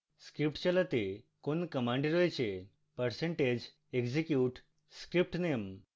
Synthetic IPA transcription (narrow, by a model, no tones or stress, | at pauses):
skɾip̚ʈt͡ɕələt̪e | konkəmãɳɖeɾojt͡ɕe | pəɾsẽɳʈed͡ʑ | ekd͡ʑekjuʈ | skɾip̚ʈnem